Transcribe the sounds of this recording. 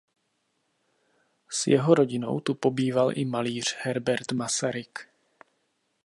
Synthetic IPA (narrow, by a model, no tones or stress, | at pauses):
sjɛɦo̞ɾo̞ɟɪno̞̰wt̪upo̞biːvalʔɪmaliːr̝̥hɛɾbɛɾt̪masaɾɪk